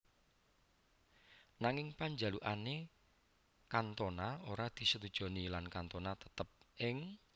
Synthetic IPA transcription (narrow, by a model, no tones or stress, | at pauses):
naŋɪŋpaɲd͡ʒa̤luʔane | kant̪onaoɾad̪̥i̤sət̪ud̥ʒ̥o̤nilankant̪onat̪ə̥t̪əp̚ʔɪŋ